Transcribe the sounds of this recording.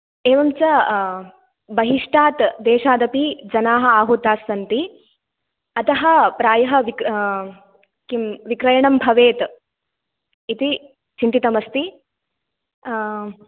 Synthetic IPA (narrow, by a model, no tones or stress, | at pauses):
eːʋɐmt͡ʃɐ | bɐɦiʂʈaːt̪d̪eːʃaːd̪ɐpid͡ʒɐnaːɦɐ̆aːɦut̪aːsʋɐnt̪i | ɐt̪ɐɦɐ̆pɾaːjɐɦɐ̆ʋik | kimʋikɾɐjɐɳɐmbʱɐʋeːt̪ | it̪i | t͡ʃint̪it̪ɐmɐst̪i